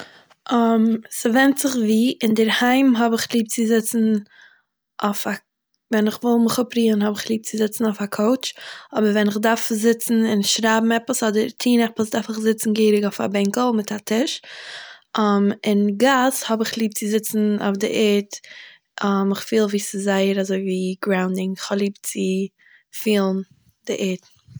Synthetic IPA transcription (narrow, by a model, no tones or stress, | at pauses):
msɪvɛntz̥ɪχviːʔɪndɪɾhaɪmɦɔbɪχlˠiːp̚t͡sɪzɪt͡sn̩ | ʔaʊfa | vɛnɪχvɪlˠmɪχʊpɾiːənɦɔbɪχlˠiːp̚t͡sɪzɪt͡sn̩aʊfakʰoʊt͡ʃɔbəɾvɛnɪχdaɾfzɪt͡sn̩ɪnʃɾaːbm̩ɛpəsɔdəɾtʰiːnɛpəsdaɾfɪχzɪt͡sn̩ɡeɪɾɪɡaʊfa̰bɛŋkl̩ˠmɪtatɪʃ | mɪnɡashɔbɪχlˠiːp̚t͡sɪzɪt͡sn̩o̰fdɪ̰ʔɛt | amɪχfiːlˠviːsɪzaɪəɾazoɪviːɡɾaʊndɪŋɪχhɔblˠiːp̚t͡sɪ | fiːlˠn̩ | d̥ɪʔɛːt